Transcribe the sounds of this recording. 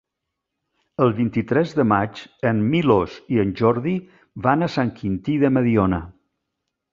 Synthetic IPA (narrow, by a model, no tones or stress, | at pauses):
əlˠβint̪it̪ɾɛzðəmat͡ʃənmiloziənʲʒɔɾði | βanəsaŋkʰint̪iðəməðionə